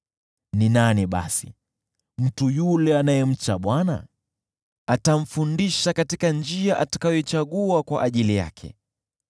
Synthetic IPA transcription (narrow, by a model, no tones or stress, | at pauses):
ninaniɓa̰sḭ | m̩tujulɛanajɛm̩t͡ʃaɓwana̰ | atam̩fundiʃakatikand͡ʒiaʔatḁkajɔɛt͡ʃaɠuakwaʔaʄilija̰kʰɛ̰